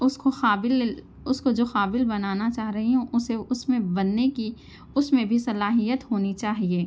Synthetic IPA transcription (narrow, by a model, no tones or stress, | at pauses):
ʊskoxaːbɪl | ʊskod͡ʒoːxaːbɪlbɐnaːnat͡ʃaːɦɾɐɦiɦɛ̃ʔʊseʊsmẽbɐnːeki | ʊsmẽbʱisɐlaːɦijət̪ɦoːnit͡ʃaːɦieː